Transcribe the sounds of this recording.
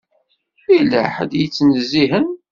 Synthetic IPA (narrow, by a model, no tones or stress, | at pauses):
iləħəd̪jət͡sːnəzːiɦən